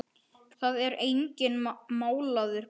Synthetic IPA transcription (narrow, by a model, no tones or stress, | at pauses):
θaðɛɾejɲcɪnmaːwlaðʏɾ̥